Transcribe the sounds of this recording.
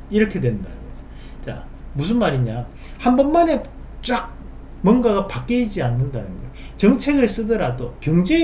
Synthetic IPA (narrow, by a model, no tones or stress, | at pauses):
iɾʌkʰe̞dwe̞nnda̰nɯnɡʌd͡ʑʌ̥ | t͡ɕa̰mus̬ʰɯnmaɾiɲa | hambʌnmane̞ | t͡ɕ͈ak̚ | mwʌnɡaɡapak͈eid͡ʑianːɯndanɯnɡʌet͡ɕʌŋt͡ɕʰe̞ɡɯɭs͈ɯdʌɾadokjʌŋd͡ʑe̞